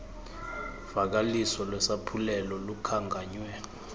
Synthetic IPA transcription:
v̥ak̬alisɔlwɛsapʰulɛlɔlukʰaŋɡʱaːɲwɛ

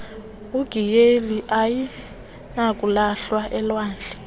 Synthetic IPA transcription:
uɡ̥ʱijeliʔaji | nakʼulaɬwaʔɛlwaːnd͡ɮʱɛ

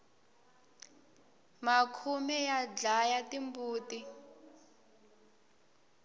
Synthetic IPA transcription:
makʰumɛjad͡ɮajatimbuːti

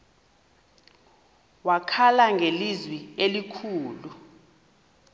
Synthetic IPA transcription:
wakʰalaŋɡʱelizwielikʰuːlu

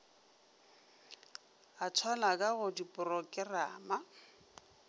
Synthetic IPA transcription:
at͡sʰwanakʼaɣʊdipʼʊrɔkʼɪra̰ːma

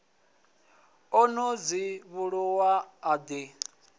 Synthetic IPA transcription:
ɔnod͡ziβuɺuwaːd̪e

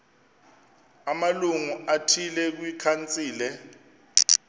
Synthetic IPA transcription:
amaluŋuatʰilɛk̬wikʰant͡sʼiːlɛ

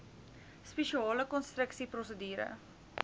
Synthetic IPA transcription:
speʃiɑːləkɔnst̪rəksiprɔsədiːɾə̰

